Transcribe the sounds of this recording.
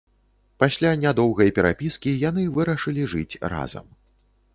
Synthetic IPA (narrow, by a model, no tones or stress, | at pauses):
pasʲlʲanʲad̪ɔwɣɐjɐpʲɛɾa̰pʲiskʲijan̪ɨvɨɾɐʂɨlʲiʐɨt͡sʲra̰zɐ̰m